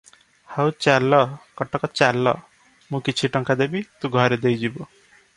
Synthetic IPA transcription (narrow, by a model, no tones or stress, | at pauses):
hawt͡ʃalːɔkɔʈɔkɔt͡ʃalːɔ̰ | mũkit͡ʃʰiʈɔŋkad̪ebit̪ũɡʱɔɾed̪ejd͡ʒibɔ